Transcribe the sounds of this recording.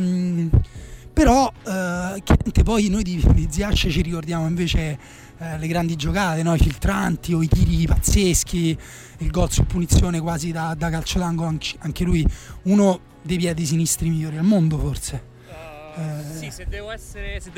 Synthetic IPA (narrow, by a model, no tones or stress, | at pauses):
peɾɔ | keɛnt̪epɔjnojd̪id̪id̪ziat͡ʃːet͡ʃiɾikord̪jaːmoiɱveːt͡ʃe | leɡɾand̪id͡ʒokaːt̪enɔifilt̪ɾant̪ioit̪iːɾiɡipat̪sːesk̟ʰi | ilɡɔlsupːunit̪sːjoːnekwaːzid̪ad̪akalt͡ʃot̪aŋɡoaŋkaŋk̟elujuːno | d̪ejpjɛd̪ejs̬inist̪ɾimiʎːoːɾialmond̪oforse